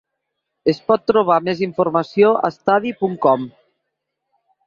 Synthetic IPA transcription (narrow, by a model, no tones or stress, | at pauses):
espɔt̪ːɾoβ̞ameziɱfoɾmasjoa̰st̪aðipuŋkɔm